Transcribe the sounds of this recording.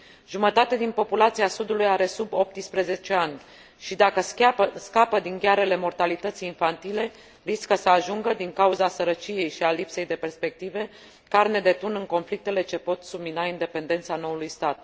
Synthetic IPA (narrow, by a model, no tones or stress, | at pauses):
ʒumət̪at̪ed̪inpo̞pulat̪siasud̪ulujaɾe̞subo̞p̚t̪ispɾeze̞t͡ʃe̞anʲ | ʃid̪akəskapəd̪iŋɡʲjaɾe̞le̞mo̞rt̪alit̪ət̪sijːnfant̪ile̞ | riskəsəaʒuŋɡəd̪iŋkauzasəɾət͡ʃije̞jʃialipse̞jd̪e̞pe̞rspe̞k̚t̪ive̞ | karne̞d̪e̞t̪unɨŋko̞nflik̚t̪e̞le̞t͡ʃe̞po̞t̪subminaind̪e̞pe̞nd̪e̞nt̪sano̞ulujst̪at̪